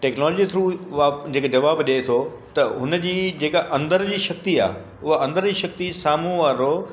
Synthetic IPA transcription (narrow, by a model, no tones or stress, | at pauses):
ʈeːknɔːlɔd͡ʑit̪ʰɾuːʋaːd͡ʑeːked͡ʑɐʋaːbɗet̪ʰo | t̪ɐɦʊnə̆d͡ʑiːd͡ʑeːkaʔɐ̃nd̪əɾd͡ʑiːʃɐk̚t̪ia̰ː | ʊɦaʔɐ̃nd̪əɾd͡ʑiːʃɐk̚t̪isaːmũʋaːɾoː